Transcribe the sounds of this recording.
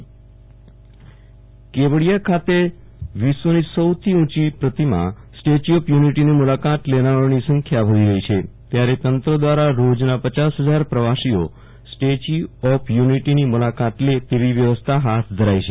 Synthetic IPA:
kebəɽijakʰat̪e | ʋisːonisəwt̪ʰiũt͡ʃipɾət̪imã̰sʈet͡ʃiɔpʰjuniʈinimulakat̪lenaonisə̃ŋkʰjaʋʱəʋiɾəɦit͡ʃʰet̪jaɾet̪ənt̪ɾəd̪ʋaɾaɾod͡ʒnapət͡ʃasɦəd͡ʒaɾpɾəʋasio | sʈet͡ʃiɔpʰjuniʈinimulakat̪let̪eʋiʋjəʋəst̪ʰaɦat̪ʰd̪ʱəɾajt͡ʃʰe

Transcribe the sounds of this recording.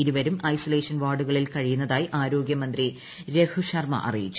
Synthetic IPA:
iɾuʋɐɾumɐjsoleːʂɐnʋaːɽuɣɐɭilkɐɻijunːɐðaːjiʔaːɾo̞ːɡjɐmɐnd̪ri | ɾe̞kʰuɕɐrmɐ̰ʔɐ̰rijit͡ɕː

